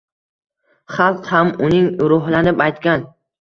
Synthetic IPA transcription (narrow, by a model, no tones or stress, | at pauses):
χɑlˠqhamʊnɪŋɾʊɦlanɪpajt̪kʲan